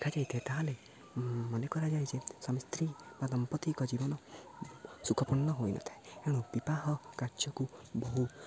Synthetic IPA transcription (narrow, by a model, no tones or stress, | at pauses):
d̪ekʰad͡ʒajt̪ʰet̪aɦale | mɔnekɔɾad͡ʒajd͡ʒesɔmist̪ɾibadɔmpɔt̪ikɔd͡ʒibɔnɔ | sukʰɔpɔɳːɔɦojnʔɔ̰t̪ʰaeeɽ̃upipaɦɔkaɾd͡ʒɔkubɔɦu